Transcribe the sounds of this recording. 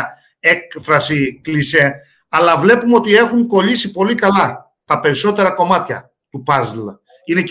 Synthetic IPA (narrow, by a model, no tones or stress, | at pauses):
e̞kfɾɐsiklise̞ | ɐlɐvle̞pumeo̞t̪ie̞xuŋko̞ʎisipo̞likɐlɐ | t̪ɐpe̞ɾiso̞t̪e̞ɾɐko̞mɐt̪çɐ̰ | t̪upɐzl | ine̞c